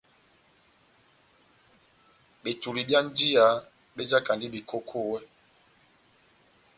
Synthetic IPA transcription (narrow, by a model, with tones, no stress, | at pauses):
ɓe˨tu˨ɾi˨bja˦n̩˦di˦a˨˦ | ɓe˦d͡ʒa˦ka˨ndi˦bi˨kʰo˦kʰo˦˨wɛ˦